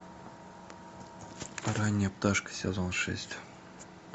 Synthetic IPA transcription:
ɾanʲːijəpt̪aʂkə̥sʲḛzonʂɛ̰sʲt̪ʲ

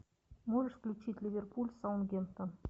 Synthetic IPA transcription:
moʐəʂfklʲʉt͡ɕitʲlʲivʲerpulʲsɑwnɡʲent̪ən

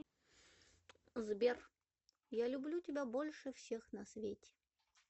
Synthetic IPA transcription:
zbʲer | jalʲʊblʲutʲɪbʲabolʲʂɨfsʲexnɐsvʲetʲɪ̥

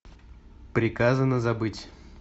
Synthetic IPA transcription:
pɾʲɪkazənəzɐbɨtʲ

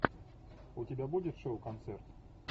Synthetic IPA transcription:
ʊtʲɪbʲabudʲɪt̪ʂoʊkɐnt̪sɛrt̪

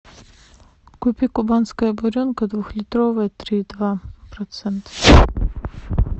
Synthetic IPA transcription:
kupʲikʊbanskəjəbɔɾʲonkɐd̪vuxlʲɪt̪ɾovəjət̪ɾʲid̪vapɾɐt̪sɛnt̪ə̥

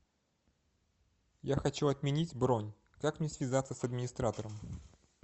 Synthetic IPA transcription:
jaxɐt͡ɕuɐt̪mʲɪnʲitʲbɾonʲ | kakmnʲesʲvʲɪzat̪sːəsɐd̪mʲɪnʲɪst̪ɾat̪əɾəm

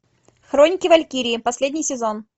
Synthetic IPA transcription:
xɾonʲɪkʲɪvɐlʲkʲiɾʲɪːpɐsʲlʲedʲnʲɪjsʲɪzon

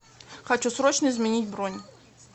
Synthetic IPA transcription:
xɐt͡ɕusɾot͡ɕnəɪzmʲɪnʲitʲbronʲ

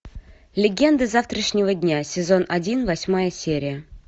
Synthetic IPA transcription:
lʲɪɡʲend̪əzaft̪ɾəʂnʲɪvədʲnʲasʲɪzonɐdʲinvɐsʲmajəsʲeɾʲɪjə

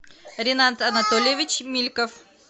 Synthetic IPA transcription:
ɾʲɪnant̪ɐnɐt̪olʲɪjɪvʲɪt͡ɕmʲilʲkəf

